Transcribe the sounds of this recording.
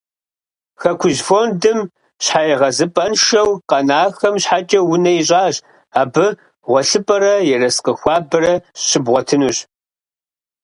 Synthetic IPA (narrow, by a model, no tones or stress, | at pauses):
xɐkʷʰʊʑfoːndɨm | ɕħaːjɛʁɐzɨpʼɐnʃɐwqɐnaːxɐmɕħat͡ʃʼɐwʊnɐiɕʼaːɕ | aːbɨ | ʁʷɔɬɨpʼɐɾɐjɛrɐsqəxʷɑːbɨrɐɕɪbʁʷɔtʰɨnuːɕ